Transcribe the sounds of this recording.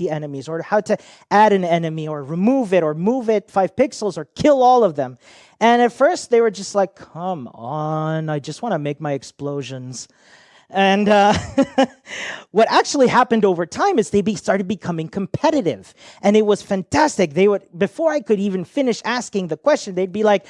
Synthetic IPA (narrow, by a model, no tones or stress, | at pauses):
iɛnɨmizə˞haʊɾɨ | æɾɨ̃nɛnɨmiə˞ɹimuvɪɾə˞muvɪtfaɪv̥pɪksl̩ˠzə˞kʰɪlˠɔlˠʌvðɨ̃m | ɨ̃nɨtfɜ˞st̪̚ðeɪwə˞d͡ʒʌstˡlaɪkʰʌ̃mʌ̃naɪd͡ʒʌst̚wɑ̃ñəmeɪk̚maɪɨksploʊʒɨ̃nz̥ | ɨ̃nʌ | wʌɾæk̚t͡ʃul̩ˠihæpɨ̃ndoʊvə˞tʰãɪ̃mɨzðeɪbistɑɹɾɨd̚bɨkʰʌmɪ̃ŋkʰm̩pʰɛɾɨɾɪ̰v̥ | ʔɨ̃nɨt̚wʌz̥fæ̃ntʰæstɨk̚ðeɪwədbɨfɔɹaɪkɨɾivɨ̃n̩fɪ̃nɨʃæskɪ̃ŋðɨkʰw̥ɛst͡ʃɨ̃n̩ðeɪd̚bilaɪk̚